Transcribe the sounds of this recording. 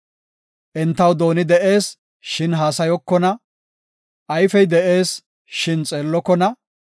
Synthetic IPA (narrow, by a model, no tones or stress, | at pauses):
ʔɛnt̪ːɐwd̪o̞ːnɪd̪ɛʔe̞ːs | ʃɪnɦaːsɐjɔkːɔnɐ | ʔɐjfɛjd̪ɛʔe̞ːs | ʃɪnt͡sʼe̞ːlːɔkːɔnɐ